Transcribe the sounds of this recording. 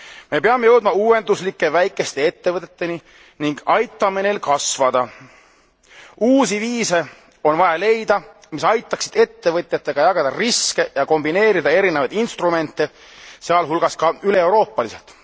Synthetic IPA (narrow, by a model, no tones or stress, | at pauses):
me̞peɑmːejɤ̞wd̪̥̚mɑuːwe̞nd̪uslikːe̞væjkːˑe̞st̪e̞e̞t̪ːe̞vɤt̪ːˑet̪ːe̞ni | niŋɡ̥ɑjt̪ːˑɑmene̞ːlkɑsvɑd̪̥ɑ | uːsiviːse̞ | o̞nvɑjɑle̞jd̪̥ɑ | misɑjt̪ːˑɑksid̪̥e̞t̪ːe̞vɤt̪ʲˑjɑt̪ːe̞ɡ̥ɑjɑɡ̥ɑd̪̥ɑriske̞jɑko̞mbine̞ːɾid̪ɑe̞ɾinevɑjd̪inst̪rume̞nt̪ˑːe | seɑlɦulɡ̥ɑskɑyle̞ewɾo̞ːpˑːɑlise̞lt̪ˑ